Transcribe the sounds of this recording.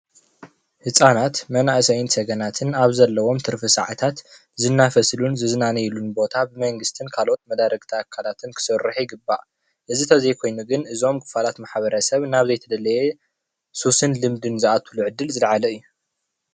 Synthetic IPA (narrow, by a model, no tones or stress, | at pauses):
hɨsʼanat̪mɐnaʔsɐjɪnsɐɡɐnat̪ʰɨnaβzɐlːɐwo̞mt̪ʰɨɾfɨsa̰ʕat̪ʰat̪ | zɨnːafɐslunzɨznanɐjlunbo̞t̪ʰabɨmɐŋɡɨst̪ʰɨnkʰalʔo̞t̪̚mɐd̪aɾɐɡt̪ʰaːkʰːalat̪ʰɨnkʰɨ̥sɨrɨħjɪɡɨbːa̰ʔ | ʔɨzit̪ʰɐzejkʰo̞jnuɡɨnɨzo̞mkʰɨ̥falat̪maħβɐɾɐsɐβnaβzɐjt̪ʰɐd̪ɐlɐje | susɨnlɨmd̪ɨnzɨʔat̪ʰuluʕɨd̪ːɨlzɨlʕalɐɨjːu